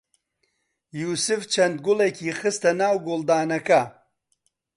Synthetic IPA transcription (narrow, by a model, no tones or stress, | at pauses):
juːsɨft͡ʃʰɐnd̪̚ɡʊlekʰiːxɨst̪ɐnaːwɡʊlˠd̪aːnɐkɐ